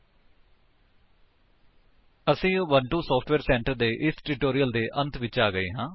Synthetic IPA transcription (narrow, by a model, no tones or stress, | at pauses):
əsĩːʋəɳʈuːsɔːpʰʈʰʋɛːɾsɛ̃ːɳʈəɾd̪eːʔɪsʈɪːʈoːɾiəld̪eːʔə̃nt̪ʰʋɪt͡ʃaːɡəeːɦãː